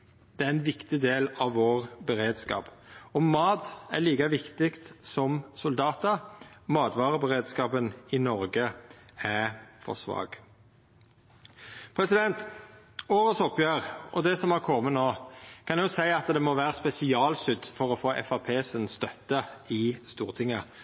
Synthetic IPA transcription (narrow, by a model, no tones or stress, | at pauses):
d̪̥ɛæɾɛnʋɪkt̪ɪd̪eːlɑʋːoːʁbɛɾeːd̪skɑ̰ːpɔmɑːt̪æ̰liːkɑʋɪkt̪ɪkt̪sɔmsʊld̪ɑːt̪əɾmɑːt̪ʋɑːɾəbɛɾeːd̪skɑːpənɪnɔɾɡəæfɔ̰sʋɑ̰ːɡ̥ | pʰɾɛsɪd̪ɛnt̪ | oːɾəsɔpːjøːʁʔɔ̰d̪ɛsɔmɑkʰɔmːənoːkʰɑnjʊsæɪɑt̪d̪ɛmɔʋæːɾəspɛsɪɑːlsʏd̪fɔɾɔfoːʔɛ̰fɑpʰeːsənst̪œt̪ːəɪst̪uːʁt̪ʰɪŋːə